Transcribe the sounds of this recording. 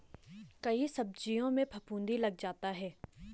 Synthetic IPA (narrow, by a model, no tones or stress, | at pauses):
kɐisɐb̚d͡ʒijõmẽpʰɐpũːnd̪ilɐɡ̚d͡ʒaːt̪aɦɛː